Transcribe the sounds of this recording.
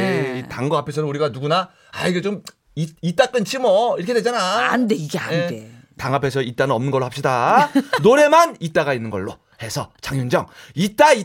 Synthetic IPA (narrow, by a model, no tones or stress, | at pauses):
eitaŋɡʌapʰe̞sʰʌnɯnuɾiɡanuɡuna | a̰iɡet͡ɕom | iit͈ak͈ɯnt͡ɕʰimʌiɾkʰedwed͡ʑanaandeiɡea̰ne | taŋɦapʰesʰʌit͈anɯnʌmnɯnɡʌɭːohap̚ɕ͈idanoɾe̞manit͈aɣainːɯnɡʌɭːo | he̞sʰʌt͡ɕaŋjund͡ʑʌŋit͈ai